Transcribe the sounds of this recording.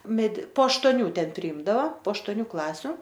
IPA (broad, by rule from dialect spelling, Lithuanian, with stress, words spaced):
mʲɛdʲɪ poː ɐʃtoːˈnʲuː ˈtʲɛn pʲrʲɪˈɪmdɐʋɐ poː ɐʃtoːˈnʲuː ˈklˠɑːsʲʊ